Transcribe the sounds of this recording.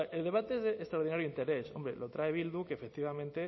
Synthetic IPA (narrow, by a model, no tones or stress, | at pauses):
eld̪e̞β̞at̪eezðeʔːst̪ɾaoɾðinaɾjuint̪e̞ɾe̞so̞̰mbɾelot̪ɾaeβ̞ild̪ukeːfe̞k̚t̪iβamẽnt̪e